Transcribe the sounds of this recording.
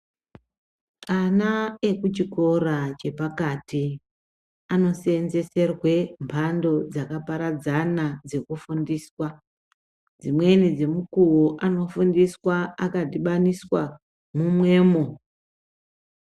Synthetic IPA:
anae̞kut͡ʃiko̞rat͡ʃe̞pakati | ano̞senze̞se̞rwe̞mpʰando̞d͡zakapaɾad͡zanad͡ze̞kufundiːswa | d͡zimwe̞nid͡ze̞mukuwoʔano̞fundiswaakadiɓaniswa | mumwe̞ːmo

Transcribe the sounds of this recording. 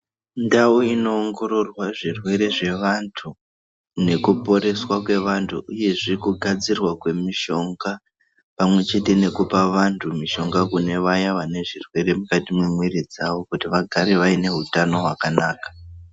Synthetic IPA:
ndauino̞ːŋɡo̞ɾo̞rwaʐirwe̞ɾe̞ʐe̞ʋantʰu | ne̞kupo̞ɾe̞swakwe̞ʋantʰuʔuje̞ʐirkuɡʱad͡zirwakwe̞miʃo̞ŋɡa | pamwe̞t͡ʃe̞te̞ne̞kupaʋantʰumiʃo̞ŋɡakune̞ʋajaʋane̞ʐirwe̞ɾe̞mukatimwemwiɾid͡zaʋo̞kutiʋaɡʱaɾeʋaine̞ɦutano̞ɦwakanaːkḁ

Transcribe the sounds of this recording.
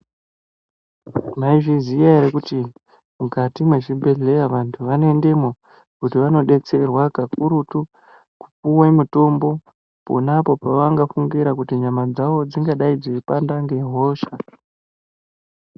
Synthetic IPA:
maiʐizijaɾekuti | mukatimwe̞t͡ʃibʱe̞ɮe̞jaʋantʰuʋanoende̞mo | kutiʋano̞ɗe̞t͡se̞rwakakuɾutu | ku̥puwamuto̞mbo̞ | po̰napo̞paʋaŋɡafuŋɡiɾakutiɲamad͡zaʋo̞d͡ziŋɡaɗaid͡ziipandaŋɡe̞ɦo̞ːʃa

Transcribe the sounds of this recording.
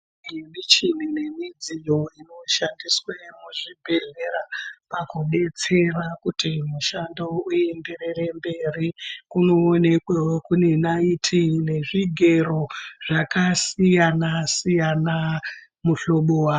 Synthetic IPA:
mit͡ʃinine̞mid͡zijo̞ino̞ʃandiswemuʐibʱe̞ɮe̞rapakuɗe̞t͡se̞rakutimuʃandouje̞mberere̞mbe̞rikuno̞ːne̞kwewokune̞naitʰine̞ʐiɡʱe̞ro̞ʐakasijanasijana | muɬo̞ɓowa

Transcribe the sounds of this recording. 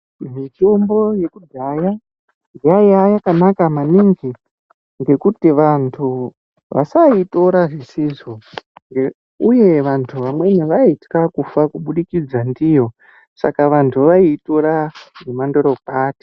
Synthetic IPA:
mitombo̞je̞kudʱaːja | diajajakanakamaniŋɡi | ŋɡe̞kutiʋantʰu | ʋa̰saito̞ɾaʐesizoŋɡe | uje̞ʋantʰuʋamwe̞neʋaitkakufakuɓuɗikid͡zandijo̞ | sa̰kaʋantʰuʋaito̞ɾanemando̞ɾo̞paːti̥

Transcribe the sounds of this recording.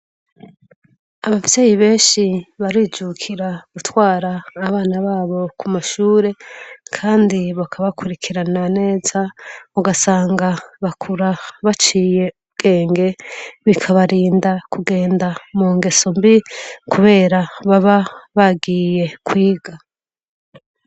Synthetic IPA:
aβavje̞ːjiβe̞ːnʃiβaɾiːd͡ʒukʰiɾaɡutwaːɾaːβaːnaβaːβo̞kʰumaʃuːɾe̞kʰaːndiβakʰaβakʰuɾikʰiɾanane̞ːzauɡasaːŋɡaβakʰuɾaβat͡ʃiːje̞ub̚ɡ̥e̞ːŋɡe̞βikʰaβaɾiːndakuɡe̞ːndamuːŋɡe̞sombikuβe̞ːɾaβaβaβaɡiːje̞kʰwiːɡa

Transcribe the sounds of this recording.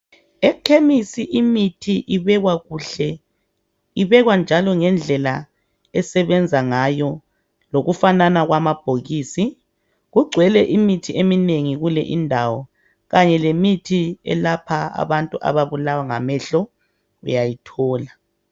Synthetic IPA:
ɛkʰemisiʔimitʰiʔiβɛɣwaɣuɬɛ | iβɛɣwand͡ʒʱalɔŋɛnd͡ɮʱɛla | ɛsɛβɛnd͡zʱaŋajɔ | loɣufananaɣwamab̥ʱoɣiːsi | ɣuɡ͡ǀʱwɛlɛʔimitʰiʔemineŋiɣulɛ̰ʔindʱawɔ | ɣaɲɛlemitʰiɛ̰lapʰaa̰βantʼuʔa̰βaβulawaŋa̰mɛɬɔ | ṵjajitʰɔːla

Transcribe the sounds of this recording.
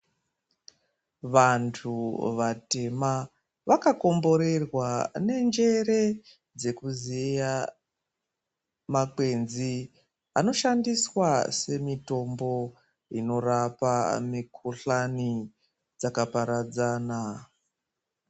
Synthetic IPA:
ʋantʰuʋate̞ma | ʋakako̞mbo̞ɾe̞rwane̞nd͡ʒe̞ɾe̞ | d͡ze̞kuzija | makwe̞nzi | a̰no̞ʃandiswase̞mito̞mbo̞ | ino̞rapamikʰuɬani | d͡zakapaɾad͡zaːna

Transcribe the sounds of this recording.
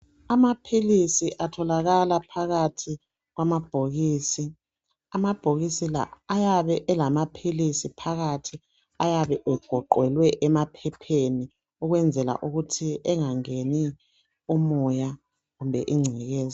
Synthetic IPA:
amapʰilisiʔatʰɔlaɣalapʰaɣatʰi | ɣwamab̥ʱoɣiːsi | amab̥ʱoɣisila̰ːjaβɛʔɛlamapʰilisipʰaɣatʰi | ajaβɛʔɛɡ̥ʱɔǃwɛlwɛʔɛmapʰɛpʰeni | uɣwɛnd͡zʱɛla̰ʔuɣutʰiɛŋaŋeni | umɔja | ɣumbʱɛʔiŋ͡ǀʱiɣɛːza

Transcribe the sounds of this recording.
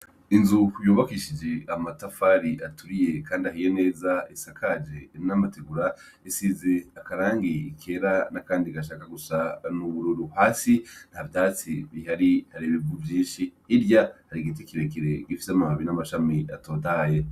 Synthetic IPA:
inzujuːβakiʃid͡ʒe̞amatafaɾiʔatuɾije̞kaːndiaɦijene̞ːzaisakʰad͡ʒe̞inamateɡuɾa | isize̞akaɾaːŋɡiikʰe̞ɾanakaːndiɡaʃ̬aːkaɡusanuβuɾuɾuhaːsin̥havjaːt͡siβihaɾihaɾiβibɡuvjĩːʃiːɾjahaɾiɡitekeɾekiɾe̞ɡifi̥seamahaβinamaʃamia̰to̞ːdaje

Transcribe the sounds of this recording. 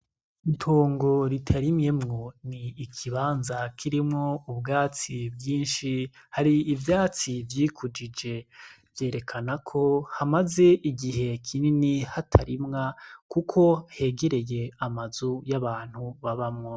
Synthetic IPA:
intʰoːŋɡo̞ɾitʰaɾimɲe̞mŋo̞niːkʰiβaːnzakʰiɾimŋo̞ubɡaːt͡sibɡiːnʃi | haɾiːvjaːt͡sivjiːkʰud͡ʒid͡ʒe̞ | vje̞ːɾe̞kʰanakʰo̞hamaze̞ʔiɡiɦe̞kʰininihatʰaɾimŋakukʰo̞he̞ːɡe̞ɾe̞je̞amazujaβaːn̥huβaβamŋo

